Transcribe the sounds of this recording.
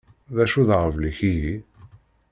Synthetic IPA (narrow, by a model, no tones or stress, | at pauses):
ðæʃuðʁəvliçiji